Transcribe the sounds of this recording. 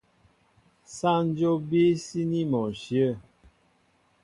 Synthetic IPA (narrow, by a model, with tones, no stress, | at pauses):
sa˦n˦d͡ʒo˦bi˦si˦ni˦mɔ˨ʃjə˦˨